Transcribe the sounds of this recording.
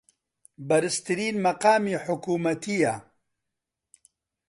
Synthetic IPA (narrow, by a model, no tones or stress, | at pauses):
bɐɾɨst̪ɨɾiːnmɐqaːmiːħʊkuːmɐt̪ʰija